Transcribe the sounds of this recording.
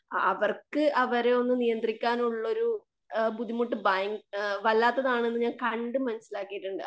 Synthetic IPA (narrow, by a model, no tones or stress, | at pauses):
ɐʋɐrkɨʔɐʋɐɾe̞o̞nːɨnijɐnd̪rikʲːaːnuɭːo̞ɾu | bud̪ʱːimuʈːɨbaːjiŋɡʋɐlːaːt̪ːɐðaːɳe̞nːɨɲaːnkɐɳɖɨmɐnɐsːilaːkːijiʈːuɳɖɨ